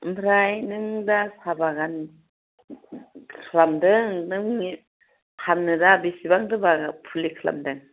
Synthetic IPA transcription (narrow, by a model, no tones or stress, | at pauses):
mbʰɾajnɯŋdasabaɡan | kkʰɯɾamdɯŋnɯŋi | hamnɯdabisibaŋdɯbaɡapʰulikʰla̰mdɯŋ